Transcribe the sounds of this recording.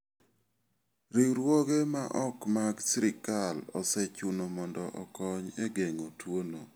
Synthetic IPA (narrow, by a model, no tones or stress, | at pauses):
ɾiɾwɔɡemaʔɔkmaɡsɪɾɪkalɔ̰sɛt͡ʃʊnomɔndɔʔɔkɔɲeɡeŋotwono